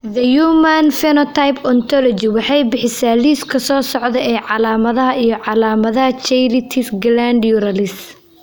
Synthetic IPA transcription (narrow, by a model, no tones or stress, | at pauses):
ðɐjuːmɐnfɛnɔt̪ʰajpʰɔnt̪ʰɔlɔt͡ʃɪwɑħɑjbɪħɪsaːliːskʰɐsɔːsɔʕðɛɛːʕɑlaːmɐðɐɦɐʔijɞʕɑlaːmɐðɐɦɐt͡ʃɛjlɪt̪ʰɪfɡland̪juɾɐlɪs